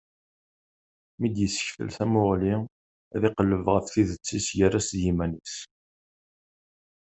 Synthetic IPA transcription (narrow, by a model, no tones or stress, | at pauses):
mid̪jəsːə̥ç̥fə̰lθæmʊʁli | ðɪqəlːəvʁəfθiðət͡sːisʝəɾæsjimænis